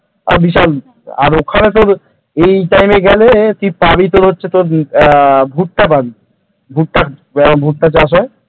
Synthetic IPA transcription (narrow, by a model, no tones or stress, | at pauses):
a̰ɾbiʃal | a̰ɾokʰanet̪̬oɾ | ejʈajmeɡɛlek̪ipabit̪̬oɾɦotːɕʰet̪oɾ | bʱuʈ̚ʈapabi | bʱuʈ̚ʈa | bʱuʈ̚ʈat͡ɕaʃ̬ɔj